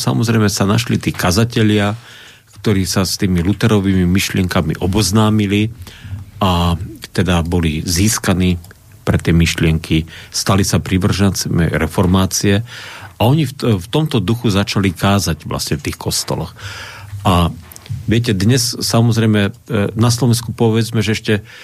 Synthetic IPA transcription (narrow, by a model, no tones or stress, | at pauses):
sa̰mɔzɾɛjmɛsana̰ʃlit̪iːkazacɛʎɪa | kt̪ɔɾiːsast̪iːmilut̪ɛɾɔʋiːmimiʃlɪɛŋkamḭʔɔbɔznaːmili | at̪ɛd̪abɔliziːskaniː | pɾɛt̪ɪɛmiʃlɪɛŋkʰist̪alisapɾiʋr̩ʒat͡sɛmɛ̰ɾɛfɔɾmaːt͡siɛaɔɲifft̪ɔmt̪ɔd̪uxuzat͡ʃalikaːzaɟʋla̰sɲɛft̪iːxkɔst̪ɔ̰lɔ̰xʔa | ʋɪɛc̬ɛd̪ɲɛssamɔzɾɛjmɛnaslɔʋɛnskupɔʋɛd͡zmɛʒɛɛʃcɛ